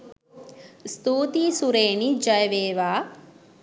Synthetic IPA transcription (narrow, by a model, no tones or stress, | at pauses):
st̪uːt̪isuɾeːnid͡ʒɐjʋeːʋaː